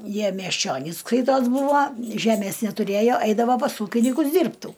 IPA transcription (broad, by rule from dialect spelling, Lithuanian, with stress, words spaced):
ˈjiɛ mʲiɛsʲˈt͡ʃʲoːnʲiːs ˈskɐɪtoːs ˈbuːʋoː ˈʒʲæːmʲeːs nʲɛtʊˈrʲeːjoː ˈɐɪdɐʋoː pɐs ˈuːkʲɪnʲɪkʊs ˈdʲiːrptuː